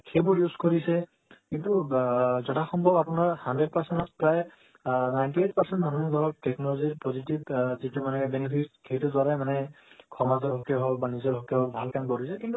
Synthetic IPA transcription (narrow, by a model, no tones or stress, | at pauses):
kʰebɔɹjuzkɔɹisɛ | kintuzɔtʰaxɔmbʱɔbapunaɹhandɹed̚pasɛntɔspɹaj | najntiet̚paɹsɛntmanud̪ʱɔɹɔk̚tɛknɔlɔziɹpɔzitibzitumanɛbɛnipʰitkʰetɔdwaɹajmanɛkʰɔmazɔɹɦɔkeɦɔkbanizɔɹɦɔkeɦɔbʱalkamkɔɹisɛkintu